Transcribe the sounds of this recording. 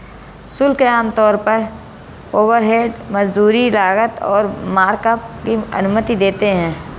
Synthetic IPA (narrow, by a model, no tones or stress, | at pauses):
sʊlkeaːmt̪ɔːɾpəɾ | oːʋəɾɦeːɖməd͡ʒd̪uːɾilaːɡət̪ɔ̰ːɾmaːɾkəp̚kiɐ̰nʊmət̪id̪eːt̪eɦɛ̃ː